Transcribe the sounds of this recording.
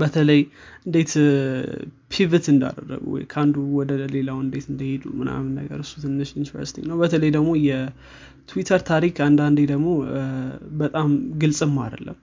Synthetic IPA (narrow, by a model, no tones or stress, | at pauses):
bət̪ʰələjʔɨnd̪e̞t̪ | pʰivɨt̪ɨnd̪a̰d̪ə̰rːə̰ɡṵwɔ̰jkʰand̪uwɔd̪əle̞lawɨnd̪e̞t̪ɨnd̪əhed̪umɨna̰mɨnːə̰ɡə̰ɾɨsu̥t̪ʰɨnːɨʃunivə̰ɾsi̥t̪ʰinəwbət̪ʰələjd̪əɡmo̞jɛ | t̪ʰuwit̪ʰəɾt̪ʰaɾikʰand̪and̪ed̪əɡmo̞ | bət̪ʼamɡɨlsʼɨmːa̰d̪ə̰lːəmː